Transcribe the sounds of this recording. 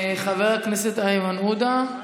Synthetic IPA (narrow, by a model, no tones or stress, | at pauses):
χaveʁakneset̪ajmanud̪a